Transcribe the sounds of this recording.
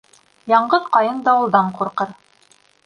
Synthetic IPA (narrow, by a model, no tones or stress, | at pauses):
jɑɴɢɤðqɑjɤnd̪ɑwŭlˠd̪ɑɴquɾqɤɾ